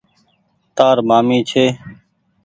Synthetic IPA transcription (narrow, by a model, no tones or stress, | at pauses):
t̪aːɾmaːmiːt͡ʃʰeː